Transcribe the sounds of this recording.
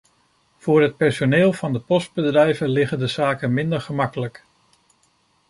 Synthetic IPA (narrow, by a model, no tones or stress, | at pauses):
v̥ʊːɹɦət̚pɛɹsoneːlˠvɑndəpɔsd̚bədrɛjvəlɪχəndəzaːkəmɪndəɹχəmɑkələk